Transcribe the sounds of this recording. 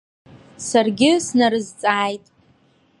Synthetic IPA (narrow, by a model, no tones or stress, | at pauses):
sarɡʲɪsnaɾɨzt͡sʼaːjtʼ